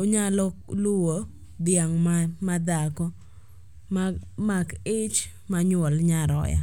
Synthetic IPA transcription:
oɲalɔkluwo | d̪ɪjaŋmamad̪akɔ | mmakɪt͡ʃ | maɲɔlɲaɾɔ̰ja̰

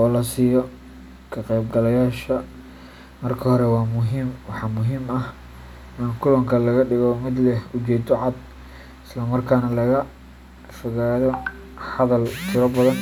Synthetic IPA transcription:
ʔɔːlɐsiːjɔ | kʰɐqɛjbɡɐlɐjaːʃɐ | mɐrkʰɐhɔɾɛwɑːmʊɦiːmwɑħɑmʊɦiːmɐh | ɪnkʰʊlɔŋkʰɐlɐɣɐɖɪɣɔmɪd̪lɛhʊt͡ʃɛːd̪ɔʕɑd̪̚ | ɪslɐmɐrkʰaːnɐlɐɣɐ | fʊɣaːðɔ | ħɑðɐlt̪ʰɪɾɐbɐðɐn

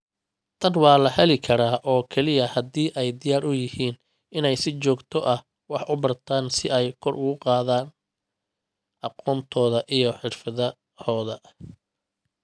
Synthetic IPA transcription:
t̪ʰɐnwɑːlɐhɐlɪkʰɐɾaːʔɔːkʰɛlɪjɐhɐd̪iːʔɛjd̪ɪjaːɾʊjɪhiːn | ɪnɛjsɪt͡ʃɔːɡt̪ʰɔʔɐh | wɑħʊbɐrt̪ʰaːnsɪɛjkʰɔrʔʊɣʊqɑːðaːn | ʔɑqɔːnt̪ʰɔːðɐʔijɔħɪrfɐðɐ | hɔːðɐ

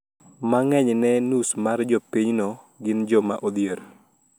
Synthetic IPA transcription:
maŋɛɲnɛnusmard͡ʒɔpiɲnɔ | ɡɪnd͡ʒɔma̰ʔod̪jeɾo

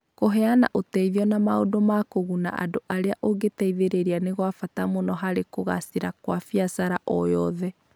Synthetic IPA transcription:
koɦɛana̰ʔotɛiðiɔnamao̰domakoɣuna̰ʔa̰doʔaɾeaʔoɡetɛiðeɾeɾianeɣwafatamonɔɦaɾekoɣa̰siɾakwafiasaɾaʔɔjɔðɛ

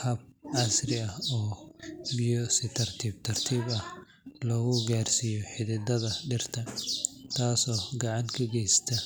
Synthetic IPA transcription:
hɐb̚ʕɑsrɪɐhɔːbɪjɔsɪt̪ʰɐrt̪ʰiːb̚t̪ʰɐrt̪ʰiːbɐh | lɔːɣʊɡaːrsijɔħɪðɪd̪ɐðɐɖɪrt̪ʰɐt̪ʰaːsɔːɡɑʕɑŋkʰɐɡɛjst̪ʰɐ

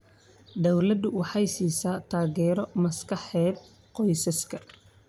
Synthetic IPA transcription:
d̪ɐwlɐd̪ʊwɑħɑjsiːsaːt̪ʰaːɣɛːɾɔmɐskʰɑħɛːd̪̚ | qɔjsɐskʰɐ

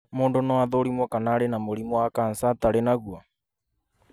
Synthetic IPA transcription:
moːndonɔaðoɾimwɔkanaɾenamoɾimɔwakansataɾenaɣwa

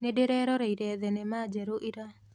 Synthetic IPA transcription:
nedeɾɛːɾɔɾɛiɾɛðɛnemaːd͡ʒɛɾoʔiɾa

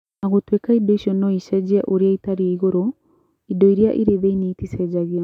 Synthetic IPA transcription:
aɣotwekaidɔiʃɔnɔiʃɛd͡ʑɛʔoɾiaitaɾiɛiɣoɾo | idɔiɾjaʔḭɾeðeiniitisɛd͡ʒaɣi

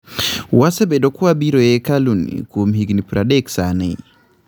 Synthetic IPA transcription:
wasɛbɛdɔkuabiɾɔɛkalunḭkumɦiɡnipɾadɛksanɛi

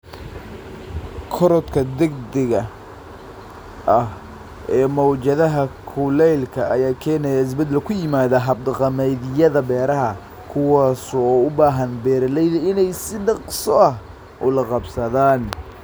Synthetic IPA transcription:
kʰɔɾɔd̪kʰɐd̪ɛɡd̪ɛɣɐ | ɐh | ʔɛːmɔwt͡ʃɐðɐɦɐkʰʊlɛjlkʰɐɐjaːkʰɛːnɛjaɪs̬bɐd̪ːɛlkʰʊjɪmaːðɐɦɐb̚d̪ɑqɑmɛjðɪjɐðɐbɛːɾɐɦɐ | kʰʊwɑːsɔːʊbaːɦɐnbɛːɾɐlɛjðɐɪnɛjsɪɖɑqsɔʔɐh | ʔʊlɐqɑbsɐðaːn

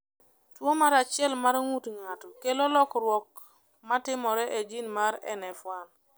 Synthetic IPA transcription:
twomaɾat͡ʃjɛlmaɾŋutŋatɔkelolɔkɾwɔk | matɪmɔɾɛʔed͡ʒinmaɾɛ̰nɛfwan

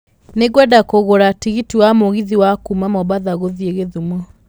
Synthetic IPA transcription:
neɡwɛdakoɣoɾatiɣitiwamoɣiðiwakumamɔβaðaɣoðieɣeðumɔ

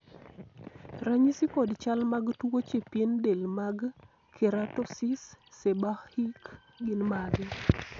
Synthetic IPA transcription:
raɲisikɔdt͡ʃalmaɡtuwot͡ʃepjendelmaɡ | kʰeɾatɔsisːebaxhik | ɡɪnmaɡɛ

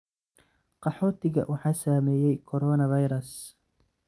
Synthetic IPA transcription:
qɑħɔːt̪ʰɪɣɐ̰wʔɑħɑːsaːmɛːjɛjkʰɔɾɔːnɐvɑjɾɐs

